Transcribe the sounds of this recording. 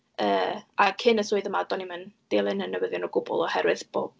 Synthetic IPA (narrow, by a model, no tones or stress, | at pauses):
əːakʰɪnəsʊːɨðəmadɔnimənd̥eːlˠɪnənːəwəðjɔnɔɡʊbʊ̰lˠɔhɛɾwɨðb̥oːb̥̚